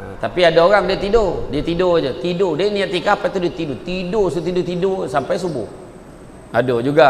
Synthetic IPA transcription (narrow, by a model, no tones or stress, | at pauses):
t̪apiadaoɣaŋdiət̪idodiat̪idod͡ʒət̪idodaʔniaʔt̪ikapat̪udiat̪idot̪idosut̪idʊt̪idosampajsubʊ̰h | adod͡ʒuɡa